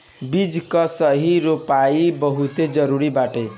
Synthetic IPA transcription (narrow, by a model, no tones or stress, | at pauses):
bid͡zkʌsʌɦiɾopaibʌɦut̪ed͡zʌɾuɾibaʈe